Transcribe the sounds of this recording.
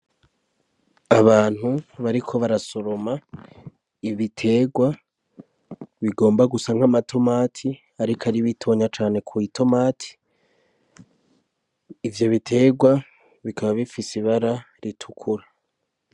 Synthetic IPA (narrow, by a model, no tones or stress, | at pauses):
aβaːn̥huβaɾikʰo̞βaɾaso̞ɾo̞ma | iβitʰe̞ːɡwa | βiɡo̞ːmbaɡusaŋ̥hamatʰo̞maːtʰi | aɾikʰaɾiβitʰo̞ɲat͡ʃaːne̞kʰuitʰo̞maːtʰi̥ | vjo̞βitʰe̞ːɡwa | βikʰaβaβifisiβaɾa | ɾitʰukʰuɾa